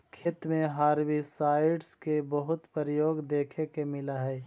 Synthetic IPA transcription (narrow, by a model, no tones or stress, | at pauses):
kʰeːt̪mẽɦaːɾwisaːɪɖskebəɦʊt̪pəɾəjoːɡd̪eːkʰekemɪlaɦɛː